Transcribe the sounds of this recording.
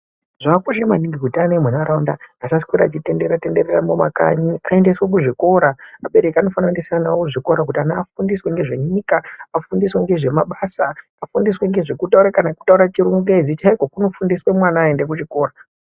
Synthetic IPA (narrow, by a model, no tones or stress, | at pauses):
ʐ̥akakoʃemaniŋɡiɡʱutanemwenaɾaundaasaskwiɾa̰ːt͡ʃite̞ndeɾatende̞ɾeramoma̰ka̰ɲiae̞nde̞swek̬uʐiko̞ɾaaɓe̞ɾe̞kiano̞fanaendeseanaooʐiko̞ɾak̬utianaːfundisweŋɡe̞ʐe̞ɲikaafundisweŋɡe̞ʐe̞maɓasa | afundisweŋɡe̞ʐe̞kutauɾakanaku̥tauɾat͡ʃiɾuŋɡed͡zit͡ʃaikwokuno̞fundiswe̞mwanaːendek̬ut͡ʃiko̞ːɾa